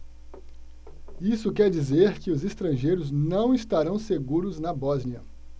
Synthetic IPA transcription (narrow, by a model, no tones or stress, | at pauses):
isʊkɛɾd͡ʒizeɾkɪʊzest̪ɾɐ̃ʒejɾʊznɐ̃w̃ist̪aɾɐ̃w̃seɡuɾʊznɐbɔzniɐ